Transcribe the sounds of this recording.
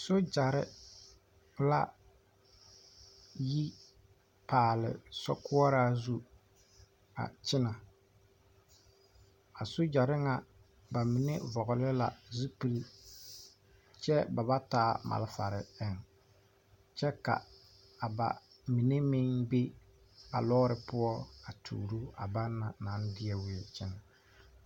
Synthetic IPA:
so˦d͡ʒa˨ɾɪ̰˦ | la˦ | ji˦ | paː˨lɪ̰˨sɔ̰˦kʊ˦ɔ˦ɾaː˦zu˦ | a̰˨t͡ʃɪ˦na˨ | a˨so˦d͡ʒa˨ɾɪ˦ŋa˨ | ba˨mɪ˨ne˦vɔ˨ɣʊ˨lɪ˦la̰˨zu˦pi˦li˦ | t͡ʃɛ˦ba˨ba˦taː˦ma̰˨lɪ˦fa̰˨ɾɪ̰˨ɛ˦ŋ | t͡ʃɛ˦ka̰˨ | a˨ba̰˨ | mi˨ne˦mɪ˦ŋbe˦ | a̰˨lɔ˦ɾɪ˨pʊ˦ɔ˦a˨tʰṵː˨ɾu˦a̰˨ba˦nːa˨na˨˦n˦dɪ˦ɛ˦wi˨t͡ʃɪ˦na˨

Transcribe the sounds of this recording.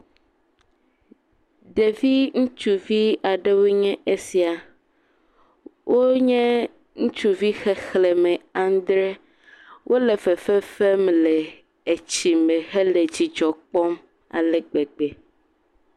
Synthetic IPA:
ɖe˨vi˦ŋũ˦t͡ʃu˨vi˦a˨ɖe˦wo˦ɲɛ̃˦ʔe˦si˨a˨ | wʔo˦ɲɛ̃˦ | ŋũ˦t͡ʃu˨vi˦xɛ˦xlɛ˨mɛ˨a˨˦d̪ɾe˦ | wʔo˦le˨fɛ˨fɛ˦fɛ˦m˨lɛ˨ | e˨t͡ɕi˨mẽ˨xe˦le˨d͡ʑi˨d͡ʒɔ˨k͡pɔ˦m | a̰˨lɛ˨ɡ͡be˨ɡ͡be˨

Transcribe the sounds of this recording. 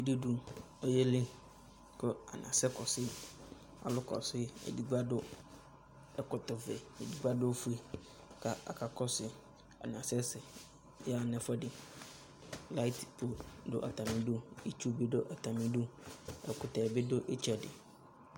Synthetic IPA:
i˦du˦du˨ | ɔ˨je˦lɪ˦ | kɔ˦a̰˨nã̰˨sɛ˦kɔ˨sɪ˦ | a̰˨lʊ˦kɔ̰˨sɪ˦ḛ˨di˨ɡ͡ba˦dʊ˦ | ɛ˨kɔ˨tɔ˨vɛ˨e˨di˨ɡ͡ba˦dʊ˦fu˦e˨ | ka˨a̰˨ka˨kɔ˦sɪ˨ | a̰˨n˨ã˨sɛ˦sɪ˨ | jɛ˦a˨nɛ̃˨fɔ˦dɪ˨ | la˦tpʰo˨dʊ̰˦ʔa̰˨ta˨mɪ̃˨dʊ˦i˦t͡ʃu˦be˦dʊ˦ʔa˨ta˨mĩ˨dʊ˦ɛ˨kʊ˨ta˨bɪ˦dʊ˦ʔe˦t͡ʃa˨dɪ̰˨

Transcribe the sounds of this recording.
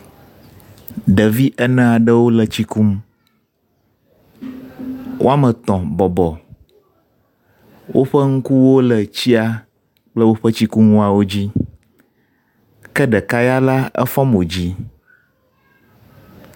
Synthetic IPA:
ɖə˨vi˦ʔɛ˦nɛ̃˦a˨ɖə˦wo˦lə˨t͡ɕi˦ku˦m | wʔo̰˦a˦mə˨t̪ɔ̃˨bɔ˨bɔ˨ | wʔo˦ɸə˦ŋ̩˦ku˦wo˦lə˨t͡ɕi˦a˦ | k͡plə˦wo˦ɸə˦t͡ɕi˦ku˦ŋũ˦a˨wo˦d͡ʑi˦ | kɛ˦ɖɛ˨ka˦ja˦la˦ɛ̰˦fɔ̃˦mo˨d͡ʑi˦

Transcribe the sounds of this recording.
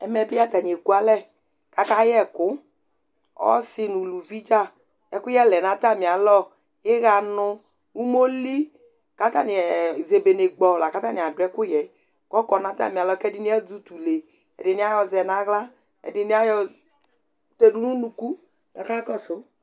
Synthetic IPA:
ɛ˨mɛ˨bɪ˦a˦t̪a˨ɲi˨e˨ku˦a˦lɛ˦˨ | ka˦ka˦jɛ˦˨kʊ˨˦ | ɔ̰˦sɪ˦nu˨lu˨vi˦d͡ʒa˦ | ɛ̰˦kʊ˦jɛ˦lɛ˨nã˦ta˦˨mi˨a˨lɔ˦ | jɪ˦ɣa˨nʊ˧ | wu˦mo˦li˦ | ka˦t̪a̰˦ni˨ɛ˨ze˨be˨ne˨ɡ͡bɔ˨la˨ka˦ta˦nĩ˨a˨dʊ˨˦ɛ˦kʊ˦jɛ˨ | kɔ˦kɔ˨nã˨ta̰˦˨mi˨a˨lɔ˦kɛ˦dɪ˦ni˦ɛ˦d͡zu˦t̪u˨le˨ | ɛ̰˨dɪ˨ni˦a˦jɔ˧zɛ˨na˦ɣla˦ | ɛ̰˨dɪ˨ni˦a˦jɔ˨ | t̪e˨du˦nũ˦nu˨ku˦ | ka˨ka˦kɔ˦sʊ˦

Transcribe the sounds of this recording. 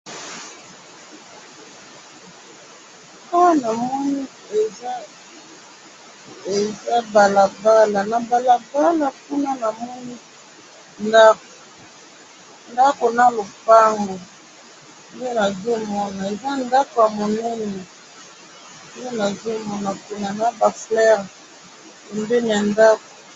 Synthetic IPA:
a˦wa˦na˨mɔ˦ni˦ | e˨za˦ | e˨za˦ba˨la˨ba˦la˨na˨ba˨la˨ba˦la˨ku˦na˦na˨mɔ˦ni˦ | na˦ | nda˦ko˨na˦lo˨pa˦ŋɡo˨ | nde˦na˨zo˦mɔ˦na˨e˨za˦nda˦ko˨ja˨mo˨nɛ˦ni˨ | nde˦na˨zo˦mɔ˦na˨ku˦na˨na˨˦ba˨flɛ˦ʁ | e˨mbe˦ni˨ja˨nda˦ko̥˨

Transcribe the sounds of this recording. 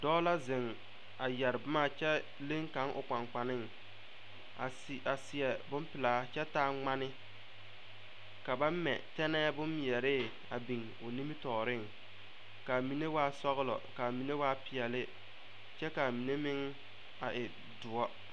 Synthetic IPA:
dɔː˦la˦zɪ˨ŋ | a˨jɛ˨ɾɪ˨bʊ˦ma˦t͡ʃɛ˦ | le˦ŋka˨˦ŋʔʊ̰˨k͡pa˨ŋk͡pa˨nɪ˦ŋ | a˨a˨sɪ˨ɛ˨bʊ˦mpɪ˨laː˨˦t͡ʃɛ˦taː˦ŋ͡ma˦nɪ˦ | ka˨ba˦mɛ̰˨tɛ˦nɛː˦bʊ˦njɛ˨ɾɪ˦ | a̰˨bi˨ŋ | ʊ˨ni˦mi˦tɔː˨ɾɪ˦˨ŋ | ka˨mi˨˦ne˦waː˦sɔ˦ɣʊ˦lɔ̰˨ka˨mi˨ne˦waː˦pɪ˨ɛ˨lɪ˦ | t͡ʃɛ˦ka˨mi˨ne˦mɪ˦ŋ | a˨ʔɪ˨ | dʊ˨ɔ˦

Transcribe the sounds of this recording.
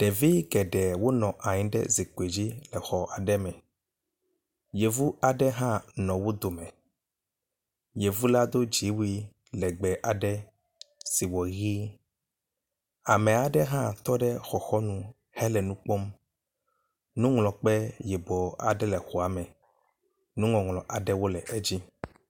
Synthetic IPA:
ɖ̥ɛ˨vi˦ɡɛ˨ɖɛ˨wo˦nɔ̃˨ʔa˨ɲĩ˨ɖɛ̰˦zi˨ke˨d͡ʑi˦lɛ˨xɔ˨ʔa˨ɖɛ˦mɛ̃˨ | je˨vu˦a˨ɖɛ˦ɦã˦nɔ̃˨wo˦d̪o˨mɛ̃˨ | je˨vu˦la˦d̪o˦d͡ʑi˨˦wi˦ | lɛ˨ɡ͡bɛ˨ʔa˨ɖɛ˦ | si˨wɔ˨ɣi˦ | a˨mɛ̃˨a˨ɖɛ˦ɦã˦t̪ɔ˦ɖɛ˦xɔ˨xɔ˦nũ˦ | hɛ˦lɛ˨nũ˦k͡pɔ˦m | nũ˦ŋlɔ̃˨k͡pɛ˦jɛ˨bɔ˨a̰˨ɖɛ˦lɛ˨xɔ˨a˨mɛ̃˨ | nũ˦ŋɔ̃˨ŋlɔ̃˨ʔa˨ɖɛ˦wo˦lɛ˨e˦d͡ʑi˦

